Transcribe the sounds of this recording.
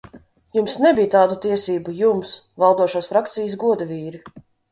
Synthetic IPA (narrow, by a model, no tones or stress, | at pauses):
jumsnɛbijt̪aːd̪ut̪iɛsiːbujums | valˠd̪uɔʃaːsfɾakt̪sijəs̬ɡuɔd̪aviːɾi